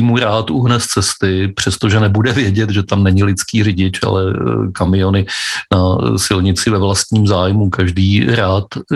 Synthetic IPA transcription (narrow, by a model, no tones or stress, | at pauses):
muɾaːt̪uɦnɛst͡sɛst̪ɪpr̝̥ɛst̪o̞ʒɛnɛbudɛvjɛɟɛt̪ʒɛt̪amnɛɲɪlɪt͡skiːrɪɟɪt͡ʃa̰lɛ̰kamɪo̞nɪnasɪlɲɪt͡sɪvɛvlast̪ɲiːmzaːjmukaʒdiːɾaːt̪